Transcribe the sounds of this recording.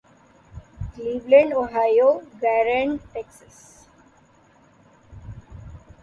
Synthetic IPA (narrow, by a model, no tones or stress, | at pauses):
kliːʋlə̃ɳɖoːɦajoːɡæːɾə̃ɳʈeksəs